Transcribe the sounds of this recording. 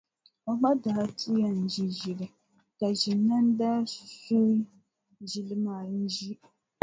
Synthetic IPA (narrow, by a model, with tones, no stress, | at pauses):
a˦k͡pa˦daː˨˦tʰi˦ja˦n̩˨d͡ʒi˦ʒi˨lɨ˨ | ka˨ʒi˨nː˦a˦n̩˦da˦so˦ | ʒi˨lɨ˦maː˦˨n̩˦ʒi˦